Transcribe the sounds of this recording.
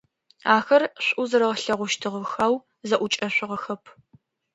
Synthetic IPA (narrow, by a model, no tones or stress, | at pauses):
aːxɐrɕʷʼʔʊzɨɾɐʁɬɐʁʷʊʃtʰɨʁəxaːw | zɐʔʷʊt͡ʃʼɐɕʷɪʁɐxɐpʰ